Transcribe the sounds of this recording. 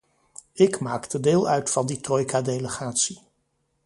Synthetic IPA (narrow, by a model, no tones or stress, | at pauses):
ɪkmaːktədeːlˠœɥtfɑnditrɔjkadejləχaːtsi